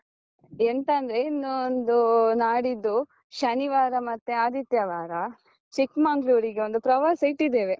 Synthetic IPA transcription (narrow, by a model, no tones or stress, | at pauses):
ent̪ɐnd̪ɐɾe̞inːuond̪unaːɽid̪ːu | ʃɐniʋaːɾɐmɐt̪ːeaːd̪it̪jɐʋaːɾɐ | t͡ʃikmaŋɡluːɾiɡeond̪upɾɐʋɐːsɐjʈːid̪ːeːʋe